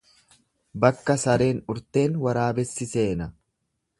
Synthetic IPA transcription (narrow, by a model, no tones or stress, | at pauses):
bɐkːɐsɐɾe̞ːnʊɾt̪e̞ːnwɐɾaːbɛsːɪse̞ːnɐ